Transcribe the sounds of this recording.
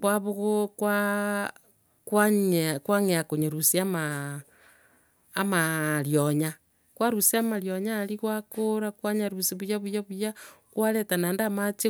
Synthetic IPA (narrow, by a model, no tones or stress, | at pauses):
kwaβuɣokwa | kwaɲkwaŋeakoɲeɾusiama | maɾjoɲa | kwaɾusiamaɾjoɲaliɣwakoɾakwaɲaɾusiβujaβujaβujakwaletanandamat͡ʃe